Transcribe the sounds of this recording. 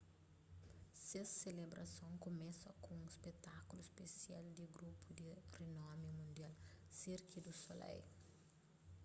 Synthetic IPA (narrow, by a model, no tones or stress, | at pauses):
sesːelebɾʔɐ̰sõŋkomɛsɐkõũispet̪akuluspesiald̪iɡɾupʰud̪irenɔmimũnd̪ialsiɾkid̪usolɛ̰j